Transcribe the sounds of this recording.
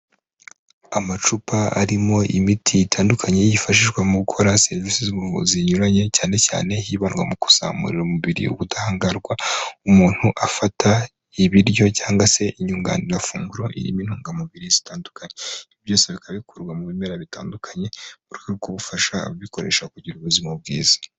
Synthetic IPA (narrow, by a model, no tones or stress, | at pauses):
amat͡ʃupaa̰ɾimo̞ʔimitʰiitʰaːndukʰaɲe̞jifaʃiʒɡwamuβukʰo̞ɾaseɾvisizuβuvṵziɲuɾaɲe̞caːne̞ca̰ːne̞ɦiːβanɡwa̰muku̥sa̰ːmṵɾiɾumuβiɾḭṵɡutahaːŋɡaɾɡwaumuːn̥huʔafatʰa | iβiɾjo̞caːŋɡwase̞ʔiɲuːŋɡa̰ːniɾafuːŋɡuɾo̞ʔḭɾḭːmin̥huːŋɡamuβiɾizitaːndukʰaɲeiβjo̞ːseβikaβikʰuɾɡwamuβimeɾaβitaːndukʰaɲe̞uɾikaɾikuβufaʃaββiko̞ɾe̞̰ʃakuɟiɾuβuzimubɡḭːz̥ḁ